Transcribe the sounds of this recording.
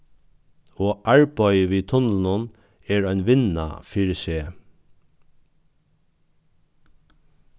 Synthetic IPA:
oːʔaɹbœʏʋiːt̪ʰʊnln̩ʊn | ɛɹœɪnʋɪna̰fɪɹʃeː

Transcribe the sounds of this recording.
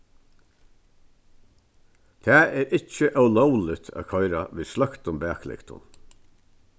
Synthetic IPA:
t̪ʰæːɛːɾʔɪt͡ʃəʔœwlɔwlɪt̪ʰa̰ːkʰɔɪɾaʋiːðslakt̪ʊmbæːklɪ̰kt̪ʊ̰n

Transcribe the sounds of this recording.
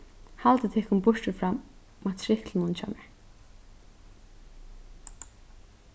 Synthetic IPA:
halt̪ət̪ʰɛːkʊnbʊʂtʊfɾamː | at̪ʰɾɪhklɪnʊnt͡ʃʰa̰ːmɛɹ

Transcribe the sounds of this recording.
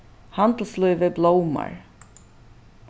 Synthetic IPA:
hand̪l̩slœʏvəblowma̰ɹ

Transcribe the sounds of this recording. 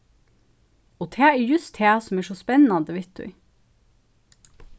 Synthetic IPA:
oːt̪ʰeːiːjʉst̪heːsɔmæːʃɔspɛnɑnd̪əʋɪt̪̚d̪ʉ̰

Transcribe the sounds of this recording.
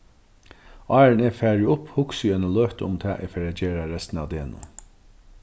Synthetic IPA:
ɑːɹnɛfæːɹɪʊphʊksjœnaløːht̪əʊmt̪ʰɛ̰ːʔɛ̰feːɾæd͡ʒeːɾaɾɛst̪na̰ʋd̪eːnʊ̰n

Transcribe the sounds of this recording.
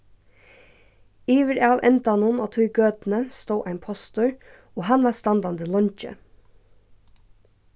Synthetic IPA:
iːʋəɾɑːʋʔɛ̰nt̪ɑnuːnoːt̪ʰuːɡøːt̪n̩əst̪oːʔæɪnpʰɔst̪ʊɹ | oːhɑnʋɑːst̪ɑnd̪ɑnd̪əlɔnçə̰

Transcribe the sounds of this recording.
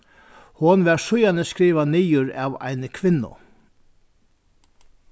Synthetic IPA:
hɔnʋɛɾsʊjanəskɾiːʋaniːjʊɾa̰va̰jnkʰʋɪnːʊ̰

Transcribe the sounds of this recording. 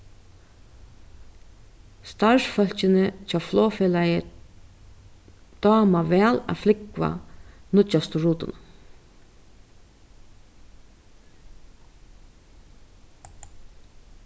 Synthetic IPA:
st̪aɹʂfœl̥t͡ʃɪnɪt͡ʃaːflɔːfɛlajə | d̪̥ɑːmaʋɛːla̰flɪkva̰nʊast̪ʊɾuːt̪ʊ̰n

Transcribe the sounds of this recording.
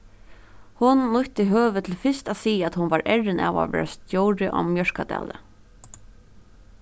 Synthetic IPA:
hʊnːʊht̪iɦøːʋɪt̪ʰɪlfɪst̪aːðsiːaæt̪hʊnvaɹʔɛɹɪnʔa̰ːʋa̰ʋɛ̰ːɹast̪jowɾɪʔɔ̰mjœɹkad̪æ̰ːlə̰

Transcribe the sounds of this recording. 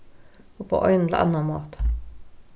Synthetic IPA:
oːpʰo̰ːʔɔʏn̩̰ʔɑ̰nɑmoːt̪

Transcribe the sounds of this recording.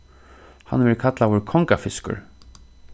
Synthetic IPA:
ha̰nʋɛɹkʰat̪lawʊɹkʰɔŋkafɪskə̰ɹ

